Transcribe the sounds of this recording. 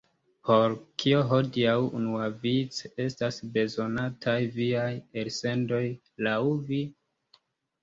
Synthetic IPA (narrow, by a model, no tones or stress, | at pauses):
pʰo̞ɾkʰio̞ɦo̞diawunuavit͡se̞stasbe̞zo̞natʰajviajelse̞ndo̞j | lawvi